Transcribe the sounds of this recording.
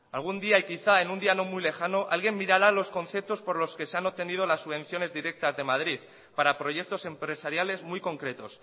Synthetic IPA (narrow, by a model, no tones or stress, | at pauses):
alɣ̞und̪iaikiθae̞nũnd̪iano̞mwjle̞xano̞ʔa̰lɣ̞je̞nmːiɾaɾalo̞sko̞nθe̞p̚t̪o̞spo̞ɾlo̞ske̞seanot̪e̞nið̞o̞lasːuβẽ̞n̟θjo̞ne̞zðiɾe̞k̚t̪azðe̞maðɾið | paɾapɾo̞ʝe̞k̚t̪o̞se̞mpɾe̞saɾjale̞zmujko̞ŋkɾe̞t̪o̞s